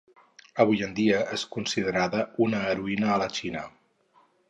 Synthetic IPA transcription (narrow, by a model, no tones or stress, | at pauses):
əβ̞ujənd̪iəeskunsiðəɾaðəunəːɾuinəːlət͡ʃinə